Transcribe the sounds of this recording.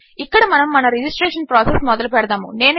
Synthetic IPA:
ikːɐɽɐmɐnɐmːɐnɐɾid͡ʒisʈɾeːʂɐnpɾaːsesmɔd̪ɐlupɛɽɐd̪aːmṵne̞ːn

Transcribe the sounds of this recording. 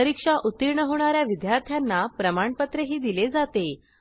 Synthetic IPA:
əɾikʂaʔut̪iɾɳəɦoɳ̃aɾjaʋid̪jaɾt̪ʰjanːapɾəmaɳpət̪ɾəɦiːd̪iled͡zat̪e

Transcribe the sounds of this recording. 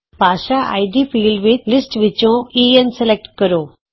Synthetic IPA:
baːʃaʔa̰jɖiːfiːlɖʋit̪lisʈʋit͡ʃːõːiensɛlek̚ʈkɐɾoː

